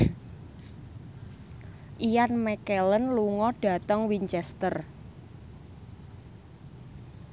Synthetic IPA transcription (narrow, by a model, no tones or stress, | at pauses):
ʔijanmɛkelənluŋɔɖ̥a̤t̪əŋwiɲt͡ʃɛst̪ər